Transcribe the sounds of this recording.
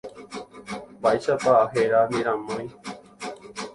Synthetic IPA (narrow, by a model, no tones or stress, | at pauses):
baeʃat̪aːɦeɾanĩɾãmãj̃